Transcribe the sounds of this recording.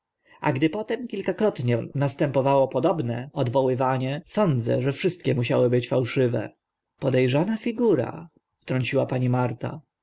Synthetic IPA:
a̰ɡd̪ɘpɔt̪ɛmkʲilkakɾɔt̪ɲɛnast̪ɛmpɔvawɔpɔd̪ɔbnɛɔd̪vɔwɘvaɲɛsɔnd̪zɛ̰ʐɛfʂɘst̪̚kʲɛmuɕawɘbɘt͡ɕfawʂɘvɛ̰ | pɔd̪ɛjʐanafʲiɡuɾa̰ | ft̪ɾɔɲt͡ɕiwapaɲimaɾt̪a̰

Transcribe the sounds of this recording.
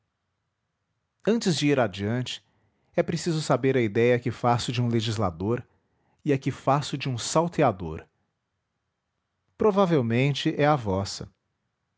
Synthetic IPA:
ɐ̃t͡ʃɪzd͡ʒɪiɾad͡ʒiɐ̃nt͡ʃɪ̥ | ɛpɾesizʊsabeɾɐid̪ɛjɐkɪfasʊd͡ʒɪũleʒizla̰d̪oɾ | ɪɐkɪfasʊd͡ʒɪũsawt̪ead̪o̰ɾ | pɾovavewmẽnt͡ʃɪʔɛɐvɔsɐ

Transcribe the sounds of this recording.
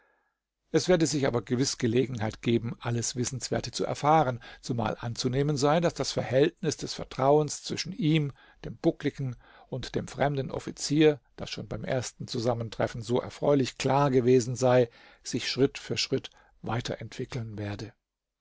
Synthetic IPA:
ʔɛsv̥eːɐdəzɪçʔa̰ːbɐɡəvɪsɡ̥əleːɡŋ̩ɦaɪtɡ̥eːbm̩ʔaləsv̥ɪsn̩sv̥ḛːɐtə̥t͡suʔɛ̰ɐfaːʁənt͡suma̰ːlʔant͡suneːmənzaɪdasd̥asfɛɐhɛltnɪsd̥ɛsfɛɐtʁ̥aʊənst͡sv̥ɪʃn̩ʔiːm | d̥eːmb̥ʊklɪɡn̩ | ʔʊntd̥eːmfʁ̥ɛmdn̩ʔɔ̰fit͡siːɐd̥asʃoːnbaɪmʔḛːɐstn̩t͡suzaməntʁ̥ɛ̰fn̩zoːʔɛ̰ɐfʁ̥ɔ̰ʏlɪçkl̥aːɐɡəveːzn̩zaɪ | z̥ɪçʃʁ̥ɪtfyːɐʃʁ̥ɪt | va̰ɪtʰɐ̰ʔɛntv̥ɪkl̩nveːɐdə

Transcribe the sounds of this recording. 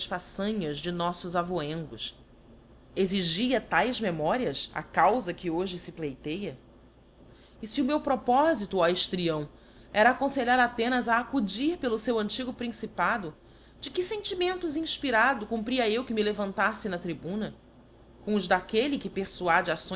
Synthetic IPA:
ɐʃfasɐ̃ɲɐzd͡ʒɪnɔsʊzavoẽŋɡʊs | eziʒiɐt̪ajzmemɔɾiɐsa̰kawzɐkɪoʒɪsɪplejt̪ejɐ | ɪsiʊmewpɾopɔzit̪ʊajʃt̪ɾiɐ̃w̃ | ɛɾɐaːkõseʎaɾat̪ẽnɐzaːkud͡ʒiɾpelʊsewɐ̃nt͡ʃiɡʊpɾĩsipad̪ʊ | d͡ʒɪkɪsẽnt͡ʃimẽnt̪ʊzĩʃpiɾad̪ʊkũmpɾiɐewkɪmɪlevɐ̃nt̪asɪnɐt̪ɾibũnɐ | kõʊzd̪akelɪkɪpeχsuad͡ʒasõ

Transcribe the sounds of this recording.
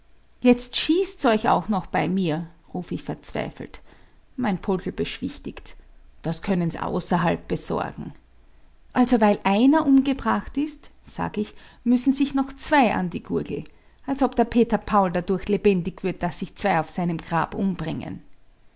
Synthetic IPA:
jɛt͡stʃiːstsɔʏça̰ʊxnɔxb̥aɪmiːɐʁuːfɪçfɛɐt͡sv̥a̰ɪfl̩tmaɪnpʰɔtl̩b̥əʃv̥ɪçtɪktd̥askʰœnənzʔa̰ʊsɐɦalp̚b̥əz̥ɔ̰ɐɡŋ̩ | ʔalzovaɪlʔaɪnɐʔʊmɡəbʁaχtɪstz̥a̰ːɡəɪçmʏsn̩zɪçnɔxt͡sv̥aɪʔa̰ndiɡ̥uɐɡl̩ | ʔalsɔpd̥ɛɐpʰeːtɐpʰaʊldadʊɐçlebɛndɪçv̥ɪɐt̚d̥asːɪçt͡sv̥aɪaʊfz̥aɪnəmɡʁa̰ːpʔʊmbʁɪŋə̰n

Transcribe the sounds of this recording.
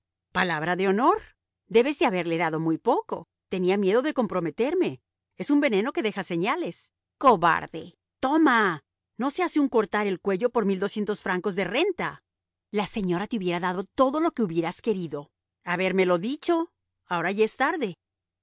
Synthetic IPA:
palaβɾaðe̞o̞no̞ɾ | d̪e̞βe̞zðeaβe̞ɾle̞ðaðo̞mujpo̞ko̞̰ | t̪e̞niamje̞ðo̞ðe̞ko̞mpɾo̞me̞t̪e̞ɾme̞ | e̞sumbe̞ne̞no̞ke̞ðe̞xase̞ɲale̞s | ko̞βa̰ɾðḛ | t̪o̞ma | no̞se̞aseuŋko̞ɾt̪aɾe̞lkwe̞ʝo̞po̞ɾmild̪o̞sje̞nt̪o̞sfɾaŋko̞zðe̞re̞nt̪a | lase̞ɲo̞ɾat̪euβje̞ɾaðaðo̞t̪o̞ðo̞lo̞ke̞uβje̞ɾaske̞ɾiðo̞ | aβe̞ɾme̞lo̞ðit͡ʃo̞ | ao̞ɾaʝaest̪aɾðe̞

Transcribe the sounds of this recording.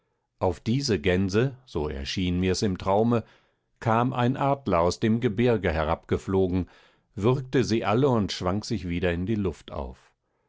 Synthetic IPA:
ʔaʊfd̥iːzəɡɛnzəz̥oːɛ̰ɐʃiːnmiːɐsɪmtʁ̥aʊmə | kʰaːmʔa̰ɪnʔaːdlɐaʊsd̥eːmɡəbɪʁɡəɦɛʁ̞apɡ̥əfloːɡŋ̩ | vɪʁk̚təziːʔaləʊntʃv̥aŋkz̥ɪçv̥iːdɐɪndiːlʊftʔa̰ʊf

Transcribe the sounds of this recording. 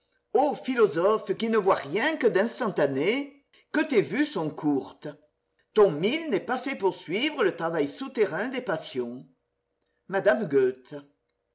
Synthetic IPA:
ofilɔzɔfkinəvwaʁjɛ̃kəd̪ɛ̃st̪ɑ̃t̪ane | kət̪evysɔ̃kuʁt̪ə | t̪ɔ̃milnɛpafɛpuʁsɥivʁələt̪ʁavajsut̪eʁɛ̃d̪epasjɔ̃ | mad̪amɡøt̪

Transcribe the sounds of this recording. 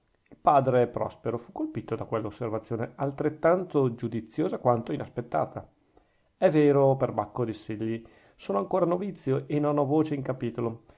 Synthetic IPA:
ilpaːd̪ɾepɾɔ̰speɾofukːolpit̪od̪akwelːaosːervat̪sːjoːnealt̪ɾet̪ːant̪od͡ʒud̪it̪sːjoːzakwant̪oinaspet̪ːa̰ːt̪ʰa | ɛvːeːɾoperbakːod̪isilːi | soːnoaŋkoːɾanovit̪sːjoʔenːonɔvoːt͡ʃeiŋkapiːt̪olo

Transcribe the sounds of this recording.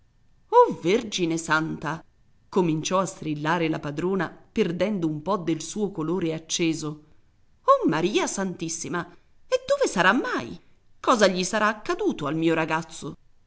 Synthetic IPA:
overd͡ʒinesant̪a | komint͡ʃɔast̪ɾilːaːɾelapad̪ɾoːnaperd̪ɛnd̪oumpɔd̪elsuːokoloːɾeat͡ʃːeːzo | ɔmːaɾiːasant̪isːima | ed̪ːoːvesaɾamːaj | kɔːzaʎːisaɾaːkːad̪uːt̪oalmiːoɾaɡat̪sːo

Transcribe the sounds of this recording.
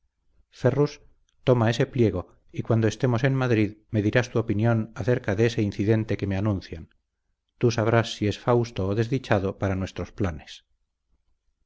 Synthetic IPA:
ferus | t̪o̞mae̞se̞plje̞ɣ̞o̞ | ikwand̪oe̞st̪e̞mo̞se̞nmaðɾiðme̞ðiɾast̪uopinjo̞naθe̞ɾkaðeeseinθiðe̞nt̪e̞ke̞me̞anũn̟θjan | t̪usaβ̞ɾasːie̞sfawst̪oːðe̞zðit͡ʃað̞opaɾanwe̞st̪ɾo̞splane̞s

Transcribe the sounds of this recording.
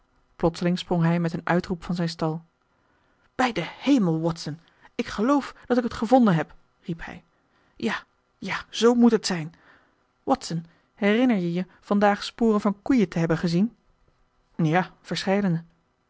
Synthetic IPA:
plɔtsəlɪŋsprɔŋɦɛjmɛtənœ̰ɥtrupfɑnzɛjnstɑlˠ | b̥ɛjdəhejməlˠwɔtsən | ɪkχəlowfd̥ɑtɪkɦətχəvɔndənɦɛp | riphɛ̰j | jaː | jaz̥owmutɦətsɛjn | wɑtsən | ɦɛrɪnəɹjəjə | v̥ɑndaːχspʊːrənvɑnkujətəɦɛbənχəzin | jaːv̥əɹsχɛjdənə

